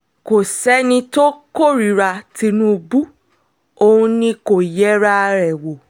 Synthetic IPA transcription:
ko˨sɛ˨˦nĩ˧to˦ko˦˨ɾi˨˦ɾa˧ti˧nũ˦˧bu˦ | o˧ũ˧nĩ˧ko˨jɛ˨˦ɾa˧ɾɛ˨wo˨

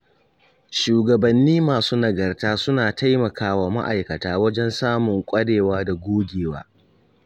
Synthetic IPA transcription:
ʃuː˨ɡɐ˨bɐ˨nːiː˦maː˨suː˦nɐ˨ɡɐ˨rtaː˦sʊ˦naː˨ta˦jmɐ˨kaː˦wa˨ma̰˦ʔa˨jkɐ˨taː˦wɐ˦d͡ʒɛ˦nsaː˦mʊ˨ŋkʷʼɐ˦ɽeː˨waː˦da˨ɡʷoː˦ɡʲeː˨wa̰ː˦

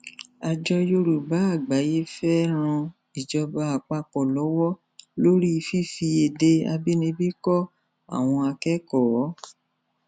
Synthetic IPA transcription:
a˧d͡ʒɔ˧jo˧ɾu˨ba˨˦a˦˨ɡ͡ba˨˦je˦fɛ˦ɾ̃ɔ̃˧ | i˨d͡ʒɔ˧ba˧a˨k͡pa˧k͡pɔ˨lɔ˨˦wɔ˦ | lo˦ɾi˦˧fi˦fi˧e˨de˧a̰˧bi˦nĩ˧bi˦kɔ˦ | a̰˦˨w̃ɔ̃˧a˧kɛ˦kɔ˦˨˦

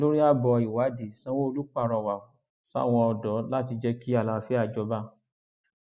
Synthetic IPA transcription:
lo˦ɾi˦a˦bɔ˧i˨wa˨˦di˨sã˦wo˦o˧lu˦k͡pa˦˨ɾ̃ɔ̃˧˨wa˨˦ | sa̰˦˨w̃ɔ̃˧ɔ˧dɔ˨˦la˦ti˧d͡ʒɛ˦ki˦a˦˨la˧wa˧fɛ˦a˧˨d͡ʒɔ˧˦ba˦

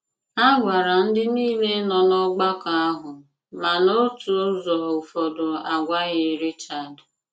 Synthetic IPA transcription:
a˦ɡʷa˨ɾa˨n̩˦dɪ˦niː˦le˦nɔ˨nɔ˦ɡ͡ba˦ka˨a˦ɦʊ˨ | ma˨no˦tu˨o˦zɔ˨u˨fɔ˨dʊ˨a˨ɡʷa˦ɣɪ˨˦ɾi˦t͡ʃa˨d

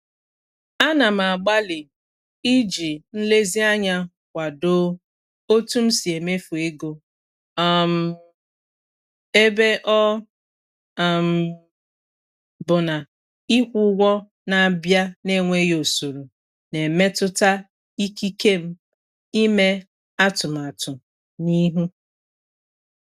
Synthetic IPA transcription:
a˦na˨m̩˨a˨ɡ͡ba˦lɪ˨ | i˦d͡ʒi˨n̩˦le˦zi˦a˦ɲa˦ | kʷa˨do˦ | o˦tu˦m̩˦si˨e˨me˦fu˨e˦ɡo˦ | ɔ˦m̩˨ | e˦be˦ʔɔ˦˨ | m̩˨ | bʊ˨na˨ | i˦kʷʊ˦ɡʷɔ˦ | na˨bja˦ne˦ŋʷe˦jo˨su˨ɾu˨ | ne˨me˦tʊ˦ta˦ | i˦ki˦ke˦m̩˦ | i˦me˦ | a˦tʊ˨m̩˨a˨tʊ˨ | ni˦ɦu˦

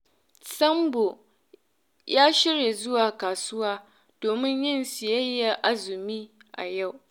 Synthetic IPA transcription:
sɐ˦mbo˨ | jaː˦ʃɪ˦ɾje˨zʊ˦waː˨kaː˨sʊ˦waː˦ | d̥oː˨mɪ˦ɲjɪ˦nsɪ˨jɐ˦jːa˨ʔa˦zɪ˨miː˦ʔa̰˨ja˦˨w

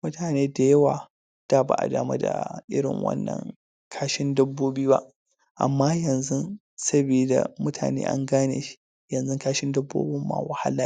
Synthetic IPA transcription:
mʊ˦tʰaː˨neː˦da˨jɐ˦waː˨ | d̥aː˦ba̰˨ʔa̰˨daː˨ma˦da̰˨ʔɪ˦ɽɪ̰˨ŋwɐ̰˦nːɐ̰˨ŋ | kʰaː˦ʃɪ˦ndɐ˦bːoː˦biː˦ba̰˦ʔ | ʔa̰˨mːaː˦jɐ˨nzʊ˦ | sɐ˦biː˨da̰˨mʊ˦tʰa̰ː˨nḛː˦ʔa̰˦ŋɡaː˦neː˨ʃi̥˦ | jɐ˨nzʊ˦ŋkaː˦ʃɪ˦ndɐ˦bːo̰ː˦bɪ˦mːa̰˨wɐ˨ha̰˦laː˨˦

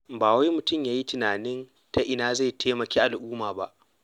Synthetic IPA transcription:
baː˨wa˦jmʊ˨tʊ˦mjaː˦ji˦tɪ˨naː˨nɪ˦n | ta˦ʔɪ˨naː˦za˦˨jtʰeː˦mɐ˨kʲeː˦ʔa˨lʔʊː˦maː˨ba˦ʔ

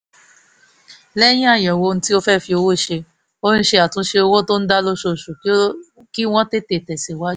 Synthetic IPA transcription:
lɛ˦j̃ĩ˦a˦˨jɔ̃˨wo˧ñ̩˦ti˦o˧fɛ˦˨fi˧o˧wo˦˨ʃe˧ | o˦ñ̩˦ʃe˧a˨tũ˨˦ʃe˧o˧wo˦˨to˦n̩˦da˦lo˦ʃo˧˨ʃu˨ | ki˦w̃ɔ̃˦te˦te˨tɛ˨si˨wa˦

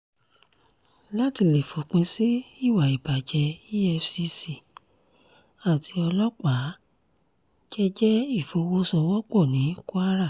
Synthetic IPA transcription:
la˦˨ti˧le˨fo˨k͡pẽ˧si˦i˦˨wa˨i˨ba˨d͡ʒɛ˧i˦ɛ˧fsi˧si˨ | a˦˨tʰi˧˦ɔ˧lɔ˦k͡pa˨˦ | d͡ʒɛ˦d͡ʒɛ˦i˦˨fo˧wo˦sɔ˧wɔ˦k͡pɔ˦˨nĩ˨˦ku˦a˦ɾa˦˨

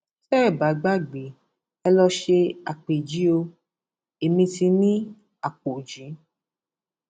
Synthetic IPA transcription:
sɛ˦˨ba˨˦ɡ͡ba˦˨ɡ͡be˨˦ | ɛ˧lɔ˧ʃe˧a˨k͡pe˨d͡ʒi˨˦o˧ | e˨mĩ˧ti˧nĩ˦ | a˨k͡po˨d͡ʒĩ˨˦

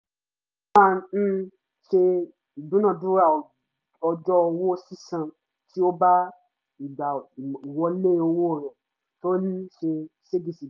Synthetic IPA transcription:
ã˦˨˦ | ʃe˧ | i˨bũ˨˦nã˦˨dũ˦ɾa˦˨ | ɔ˧d͡ʒɔ˦o˧wo˦si˦sã˧ | ti˦o˦ba˦ | i˨ɡ͡ba˨i˨wɔ˧˦le˦o˧wo˦o˦˨ɾɔ˨ | to˦li˦ʃe˧se˦di˨si˨

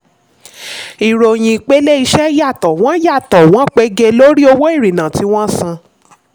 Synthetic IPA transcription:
i˨ɾo˧j̃ĩ˧k͡pe˦le˦i˧ʃɛ˦ja˦˨tɔ˨w̃ɔ̃˨˦ja˦˨tɔ˨w̃ɔ̃˨˦k͡pe˨˦ɡe˧lo˦ɾi˦o˧wo˦i˦˨ɾi˨nã˨ti˨˧˦w̃ɔ̃˦sã˧

